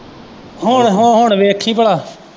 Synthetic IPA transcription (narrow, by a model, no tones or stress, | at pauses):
ɦoːɳɦoːɦoːɳʋeːkʰːĩːpəɽaː